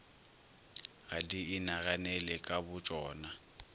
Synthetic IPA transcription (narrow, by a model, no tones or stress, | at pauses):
ɣadiɪnaɣanɛlɛkʼabʊt͡ʃʼɔːna